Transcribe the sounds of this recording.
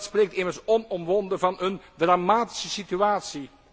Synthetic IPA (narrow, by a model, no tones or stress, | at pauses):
tspreːk̚tɪmərsɔnɔmʋɔndəvɑnɵndramaːti̥səsityaːtsi